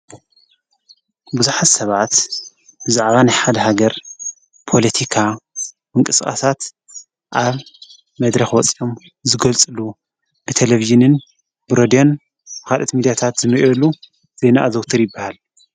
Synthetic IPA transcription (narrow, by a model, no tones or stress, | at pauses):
buzuħat̪sɐβat̪ | bɨzaʕβanajħad̪ɐhaɡɐɾ | pʰo̞lɐt̪ʰikʰa | mɨŋkʼɨsxʼa̰sat̪ | ʔaβ | mɐd̪ɾɐxwɔt͡sʼiʔom | zɨɡɐlt͡sʼɨlu | nɨt̪ʰeleviʒɨnɨn | bɨɾod̪ijo̞n | bɨxalʔot̪mid̪ijat̪ʰat̪zɨmɨʔolːu | z̥e̞naʔazowt̪ʰɨɾjɨbːahal